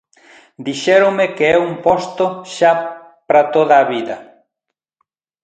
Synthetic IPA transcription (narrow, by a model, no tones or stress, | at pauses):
d̪iʃɛɾʊmekeɛumpɔst̪oʃa | pɾat̪oðaːβiðɐ